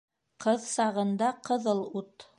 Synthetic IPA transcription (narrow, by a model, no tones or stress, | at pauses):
qɤðsɑʁɤ̆nd̪ɑqɤ̆ðɤlˠut̪